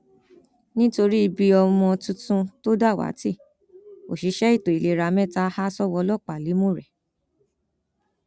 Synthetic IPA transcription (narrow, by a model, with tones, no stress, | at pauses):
nĩ˦to˧ɾi˦i˧bi˧ɔ˧mɔ̃˧tũ˧˦tũ˧to˦da˦˨wa̰˨˦ti˦˨ | o̰˨ʃi˨˧˦ʃɛ˦i˦˨to˨i˨le˨ɾa˨mɛ̃˦˨ta˦ha˦sɔ˦wɔ˧lɔ˦˨k͡pa˨li˨˦mũ˦˨ɾɛ˨